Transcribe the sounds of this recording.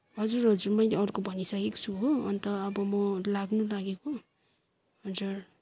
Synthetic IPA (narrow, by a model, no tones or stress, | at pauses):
ɦʌd͡zurɦʌd͡zurmʌjleʌrkobʱʌnisʌkekt͡sʰuɦoʌnt̪ʌʌbʌmʌlaɡnulaɡeko | ɦʌd͡zur